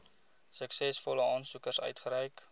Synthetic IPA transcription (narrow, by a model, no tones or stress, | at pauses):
səksɛsfɔləɑːnsukərsœ̰ɥtχəɾəjk